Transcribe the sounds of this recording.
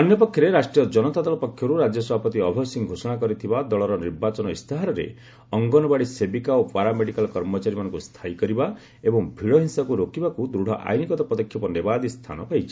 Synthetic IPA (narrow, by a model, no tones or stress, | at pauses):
ɔnjɔpɔkʰjɔɾeɾasʈɾijɔd͡ʒɔnɔt̪ad̪ɔlɔpɔkʰːjɔɾuɾad͡ʒjɔsɔbʱapɔt̪iɔbʱɔsiŋɡʱosɔɽ̃akɔɾit̪ʰibad̪ɔɭɔɾɔniɾbat͡ʃɔnɔist̪ʰaɦaɾɔɾḛ | ɔŋɡɔnɔbaɽisebikaopaɾameɽikalkɔɾmɔt͡ʃaɾimanɔŋkust̪ʰaikɔɾiba | ebɔŋbʱiɽɔɦinsakuɾokibakud̪ɾuɽ̤ʱɔʔa̰jnikɔt̪ɔpɔd̪ɔkʰːjɔpɔnebad̪ist̪ʰa̰nɔpajt͡ʃʰi̥